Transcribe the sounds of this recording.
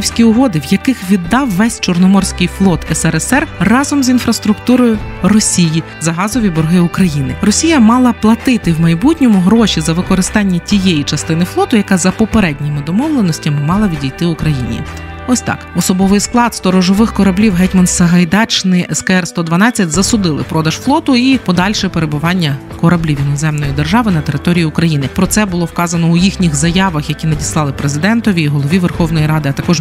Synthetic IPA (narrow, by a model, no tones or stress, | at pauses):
wsʲkʲiʊɦɔd̪ɪwjɐkɪxʋʲid̪ːɑwʋɛsʲt͡ʃɔrnɔmɔrsʲkɪjflˠɔt̪ɛsɛɾɛsɛrrɑzɔmzinfɾɐst̪ɾʊkt̪uɾɔjʊrɔsʲiji | zɐɦɑzɔʋʲibɔɾɦɪʊkɾɐjinɪrɔsʲijɐmɑlˠɐplˠɐt̪ɪt̪ɪwmɐjbutʲnʲɔmʊɦɾɔʃʲizɐʋɪkɔɾɪst̪ɑnʲːɐtʲijejit͡ʃɐst̪ɪnɪflˠɔt̪ʊjɐkazɐpɔpeɾɛdʲnʲimɪd̪ɔmɔʋlˠenɔsʲtʲɐmɪmɑlˠɐʋʲidʲijt̪ɪʊkɾɐjḭnʲḭ | ɔsʲt̪ɑ̰kɔsɔbɔʋɪjsklˠɑd̪st̪ɔɾɔʒɔʋɪxkɔɾɐblʲiwɦɛtʲmɐnsɐɦɐjd̪ɑt͡ʃnɪʔɛskɐɛrst̪ɔd̪ʋɐnɑt͡sʲːɐtʲzɐsʊd̪ɪlˠɪ̰pɾɔd̪ɐʃflˠɔt̪ʊipɔd̪ɑlʲʃɛpeɾebʊʋɑnʲːɐ | kɔɾɐblʲiʋʲjinɔzɛmnɔjid̪erʒɑʋɪnɐt̪e̞ɾɪt̪ɔɾʲijiʊkɾɐjinɪpɾɔt̪sɛbʊlˠɔwkɑzɐnɔʊjixnʲixzɐjɑʋɐxjɐkʲinɐdʲislˠɑlˠɪpɾezɪd̪ɛnt̪ɔʋʲiːɦɔlˠɔʋʲiʋerxɔwnɔjiɾɑd̪ɪɐt̪ɐkɔʒ